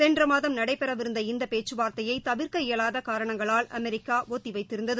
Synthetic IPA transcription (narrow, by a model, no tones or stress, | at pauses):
sɛndrɐmaːðɐmnɐɽɐɪpːɛɾɐʋɪɾɯnd̪ɐɪnd̪ɐpeːt͡ʃːɯʋaːɾt̪ɐjɐɪt̪ɐʋɪɾkɐɪjɐɭaːðɐkaːɾɐɳɐŋɡɐɭaːlɐmɛɾɪkːaːʔoːt̪ːɪʋɐɪt̪ːɪɾɯnd̪ɐðɯ